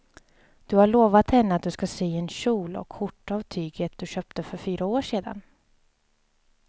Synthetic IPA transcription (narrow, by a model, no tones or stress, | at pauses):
d̪̥ɵhaɭoːvat̪hɛnːəat̪̚d̪ɵskaseːɛnɕuːlɔ̰kʰːʊʈːavt̪ʰyːɡət̪̚d̪̥ɵɕœːp̚t̪əfœɾfyːɾaoːʂeːd̪a̰n